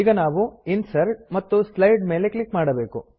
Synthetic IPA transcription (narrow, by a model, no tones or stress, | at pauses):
iːɡɐnaːʋuinsɐɾʈ̚mɐt̪ːuslɐjɖmeːleklikmaːɽɐbe̞ːkṵ